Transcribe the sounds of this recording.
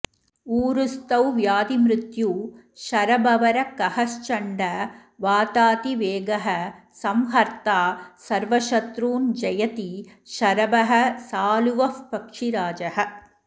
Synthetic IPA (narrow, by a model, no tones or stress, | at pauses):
uːɾust̪ɐwʋjaːd̪imɾɪt̪juː | ʃɐɾɐbɐʋɐɾɐkɐhɐst͡ʃɐɳɖɐʋaːt̪aːt̪iʋeːɡɐɦɐ | sɐmɦɐɾt̪aːsɐɾʋɐʃɐt̪ɾuːnd͡ʒɐjɐt̪iʃɐɾɐbɐɦɐ̆saːluʋɐfpɐkʂiɾaːd͡ʒɐɦɐ̆